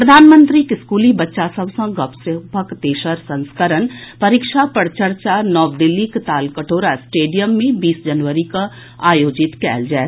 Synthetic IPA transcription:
pɾɐd̪ʱaːnmə̃nt̪ɾikɪskuːlibɐtːʃasɐbsɐ̃ɡɐpsɪpəkt̪eːʃəɾsɐ̃nskəɾənpɐɾɪkʃapəɽt͡ʃəɾt͡ʃanɔːʋd̪ɪlːikt̪aːlkəʈʰoːɾasʈeːɖijəmːẽbiːsd͡ʒɐnʋəɾika | aːjoːd͡ʒɪt̪kɛ̰ːld͡ʒaː

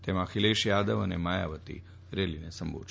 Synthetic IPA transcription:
t̪emãkʰileʃjad̪əʋənemaja̰ʋət̪ḭ | ɾelinesəmbʱo̰

